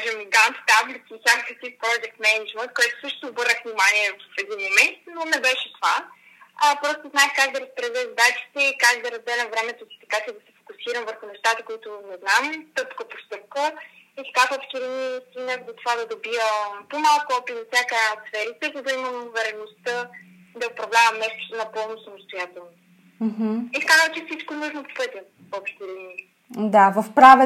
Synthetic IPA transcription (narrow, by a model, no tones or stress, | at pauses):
ʒɛmɡanfk̪ablik̪iːfsʲjakəkɛk̪ifpɾɔd͡ʒɛk̚t̪mɛnɛd͡ʒmənt̪̚kɔjt̪ʊ̥sɤʃt̪o̥t̪oːbɤɾnəkvnimaniɛvfɛd̪inmomɛnt̪nonɛbɛʃɛt̪ova | əpɾɔst̪oznaɛxkakd̪ɐɾɐspɾɛzɛzɐd̪at͡ʃi̥t̪ɛikakd̪ɐɾɐzd̪ɛnɐvɾɛmɛt̪ʊsi̥t̪ɐ̥kat͡ʃɛd̪ɐsɛ̥fo̥kʊsiɾɐmvəɾxʊnɛʃt̪at̪əkoit̪ʊnɛznamt̪ɤpkəpost̪ɤp̚kəit̪ɐ̥kavɔpʃt̪iɾɛniist̪inəzɐt̪ovad̪ɐd̪obiəpomalˠkʊɔpit̪ɐfsʲjakəjat̪sfɛɾit̪ɛzɐd̪ɐiməmʊvɛɾɛnost̪ə | d̪ɐopɾɐvlʲavɐmnɛst̪u̥t̪nɐpɔlˠnosɐmost̪ojat̪ɛlˠno | m̩ɦ̩iskazəmt͡ʃɛfsit͡ʃkonuʒnopo̥pɤt̪ʲjə | ɔpʃt̪iɾʲɛni | d̪avəfpɾavɛ